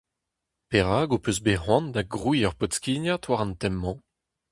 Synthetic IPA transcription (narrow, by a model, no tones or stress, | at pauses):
peʁaːɡopøsbeʁwɔ̃nd̪aɡʁuiːœʁpɔtskʲinjatwaʁɑ̃nt̪ɛmːɑ̃